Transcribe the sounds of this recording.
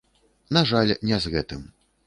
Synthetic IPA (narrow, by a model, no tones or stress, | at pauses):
naʐalʲnʲɛzɣɛt̪ɨm